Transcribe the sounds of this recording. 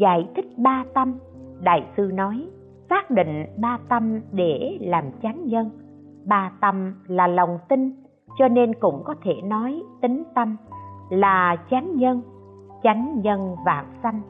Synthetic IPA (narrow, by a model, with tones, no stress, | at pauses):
za̰ː˧˨jt̪ʰï˦˥k̚ɓaː˧t̪ə˧m | ɗa̰ː˧˨jsɨ˧nɔ˨˦j | saː˦˥k̚ɗḭ˧˨ŋ̟ɓaː˧t̪ə˧mɗe˧˩laː˨˩mt͡ɕa˨˦jŋɲə˧n | ɓaː˧t̪ə˧mlaː˨˩lə˨˩wŋ͡mt̪ï˧ŋ | t͡ɕɔ˧ne˧nkʊ̰˧˥ŋ͡mkɔ˨˦t̪ʰe˧˩nɔ˨˦jt̪ï˨˦ŋ̟t̪ə˧mlaː˨˩t͡ɕa˨˦jŋɲə˧n | t͡ɕa˨˦jŋ̟ɲə˧nva̰ː˧˩ŋsa˧jŋ̟